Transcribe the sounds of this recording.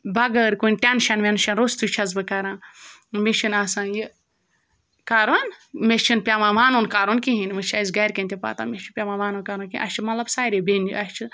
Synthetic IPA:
bɐɡəɾkunʲʈʲenʃɐnʋenʃɐnɾost̪ʰut͡ʃʰɐzbɨkɐɾãːmeʃʰinaːsãːjɨ | kaɾonmet͡ʃʰinpʲamãːʋaːnonkaːɾonkiɦinmɨt͡ʃʰɐzɡɐjɾkɐ̃nt̪ʰʲipa̰ːt̪a̰ːmet͡ʃʰinpʲamãːʋaːnonkaɾoːnkinʔɐ̰ʃt͡ʃʰimɐlɐbsaːɾʲebenʲḭɐʃt͡ʃʰɨ

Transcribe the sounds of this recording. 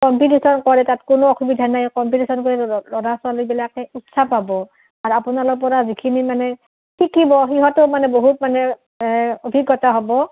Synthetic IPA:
kɔmpitesɔnkɔɹɛtatkʊnoɔxubidʱanajkɔmpitesɔnkɔɹɛlɔdaswalojbilakɛutsapabɔ | aɹapʊnalɔp̬ɔɹazikʰinimanɛ | kʰikibɔxiɦɔtʊmanɛboɦutmanɛ | obʱiɡːɔtaɦɔbɔ

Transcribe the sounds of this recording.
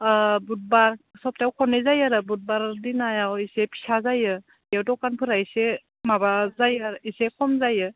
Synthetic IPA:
but̚baɾsɔp̚tawkʰɔnezajaɾɯbut̚baɾdinajawisepʰi̥sazajɯ | jewdɔkanpʰɯɾajse | mabazajaɾisekʰɔmzajɯ

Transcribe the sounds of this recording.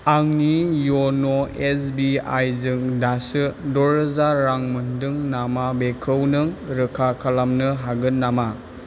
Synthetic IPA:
aŋnijonoesbia̰jzɯŋdasɯdɔɾɯzaɾaŋmɯndɯŋnamabekʰɯwnɯŋɾɯkʰakʰalamnɯɦaɡɯnnːama

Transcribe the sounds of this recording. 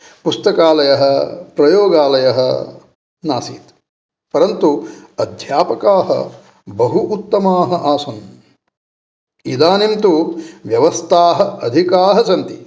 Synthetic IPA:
pust̪ɐkaːlɐjɐɦɐpɾɐjoːɡaːlɐjɐɦɐ̰ | naːsiːt̪ | pɐɾɐnt̪uɐd̪ʱjaːpɐkaːɦɐ̰ | bɐɦuʔːt̪ːɐmaːɦɐʔaːsɐn | id̪aːnimt̪uʋjɐʋɐst̪ʰaːɦɐɐd̪ʱikaːɦɐt͡ʃɐnt̪i

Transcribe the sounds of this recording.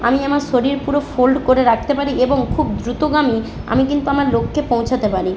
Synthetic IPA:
amiamaɾʃoɾiɾpuɾofolɖkoɾeɾak̚ʰt̪epaɾieboŋkʰub̚d̪ɾut̪oɡami | a̰mikint̪uamaɾlokʰːepõw̃t͡ɕʰat̪epaɾi

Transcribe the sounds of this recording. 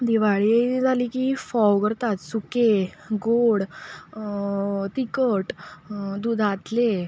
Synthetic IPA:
d̪iʋaɭid͡zʱaliːkifɔwkəɾt̪at̪suke | ɡoɽ | t̪ikəʈd̪ud̪ʱat̪le

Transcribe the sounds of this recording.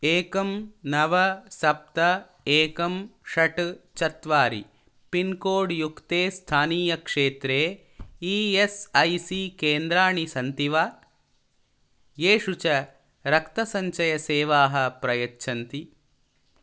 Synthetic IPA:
eːkɐmnɐʋɐsɐp̚t̪ɐ | eːkɐmʂɐʈt͡ʃɐt̪ʋaːɾḭ | pinkoːɖjukt̪eːst̪ʰaːniːjɐkʂeːt̪ɾeː | iːesɐjsikeːnd̪ɾaːɳisɐnt̪iʋaː | jeːʂut͡ʃɐ | ɾɐkt̪ɐsɐɲt͡ʃɐjɐseːʋaːɦɐpɾɐjɐtːʃʰɐnt̪i

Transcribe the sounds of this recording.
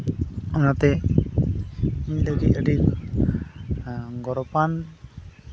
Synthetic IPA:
ɔnat̪ɛ | miləɡit̪əɖik | ɡɔɾɔpan

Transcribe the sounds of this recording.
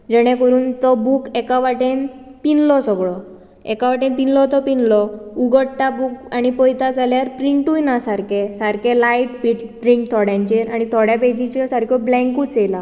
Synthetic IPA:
d͡ʑəɽ̃ekəɾuːnt̪ɔbukɛkaʋaʈenpinlɔsəɡɭɔ | ɛ̰kaʋaʈẽnpinlɔt̪ɔpinlɔuɡəɽʈ̪abukaɽ̃ipɔjt̪ad͡zaljaɾpɾiɳʈujnasaɾkesaɾkelajʈ̚piʈɖɾĩŋk̚t̪ʰɔɽjãɲt͡ɕeɾaɽ̃it̪ʰɔɽjaped͡ʑit͡ɕesaɾkʰɔblɛ̃ŋkuːt͡sela

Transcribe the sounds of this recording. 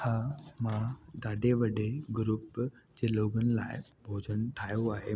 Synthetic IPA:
hãːmãd̪aːɖeʋɐɖeɡɾuːp | d͡ʑeːloːɡənɪ̆laːɪbʱoːd͡ʑʱənt̪ʰaːjoaːɦe

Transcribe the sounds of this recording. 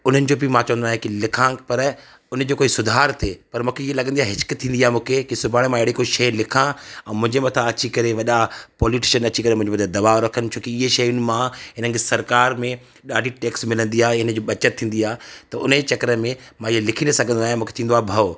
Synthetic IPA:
ʊn̤ənɪ̆d͡ʑoːbimãt͡ɕɐʋə̃nd̪aːɦẽkilɪkʰãpɐɾ | ʊnəd͡ʑoːkoːisʊd̪ʱaːɾt̪ʰeːpɐɾmũːkʰeiɦelɐɡə̃nd̪iaːɦɪɦɪt͡ɕkt̪ʰːĩːnd̪iaːɦemũːkʰekisʊbʱaːɽ̃emãɪɦɪɽikoiʃɐjlɪkʰãɛ̃ːmʊ̃ɦɪ̃ɲd͡ʑemɐt̪ʰaɐt͡ɕikɐɾeʋɐɗapɔːlɪʈɪʃənɐt͡ɕikɐɾemʊ̃ɦɪ̃d͡ʑemɐt̪ʰad̪ɐʋaːoɾɐkʰənɪ̆t͡ɕʰoːkiɪɦeʃɐjʊn̆mãɦɪnənɪ̆kesɐɾkaːɾmẽ | ɗaːɖʱiʈeːksmɪlə̃nd̪iaːɦeɪnəd͡ʑoːɓɐt͡ɕət̪ʰːĩːn̆d̪iaːet̪ɐʊ̰n̤d͡ʑet͡ɕɐkɾəmẽmãiɦelɪkʰĩːnd̪esɐɡʱə̃nd̪aːɦẽmũːket̪ʰĩːnd̪aːebʱɐ

